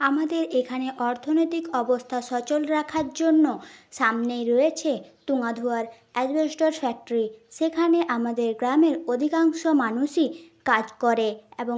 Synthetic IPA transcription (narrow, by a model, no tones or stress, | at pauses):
amad̪eɾekʰaneʔɔɾt̪ʰonojt̪ikɔbost̪ʰaʃɔt͡ɕolɾakʰaɾd͡ʑonːoʃamnejɾojet͡ɕʰet̪uŋad̪ʱuaɾ | ɛd͡ʑbesʈoɾfɛk̚ʈoɾiʃekʰaneʔamad̪eɾɡɾameɾod̪ʱikaŋʃomanuʃikad͡ʑkoɾeebo